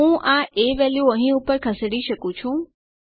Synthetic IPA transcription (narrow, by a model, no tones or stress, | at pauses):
ũʔaʔeʋɛljuəɦĩupəɾkʰəsɽiʃəkũt͡ʃʰũ